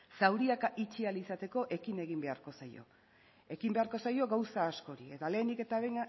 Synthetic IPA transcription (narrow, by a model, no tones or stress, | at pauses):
sawɾiakaʔit͡ʃialisat̪e̞ko̞ʔe̞kine̞ɣ̞imbe̞aɾko̞sajo̞̰ | e̞kimbe̞aɾko̞sajo̞ɣawsaːsko̞ɾie̞t̪ale̞ːnd̪ike̞t̪aβejna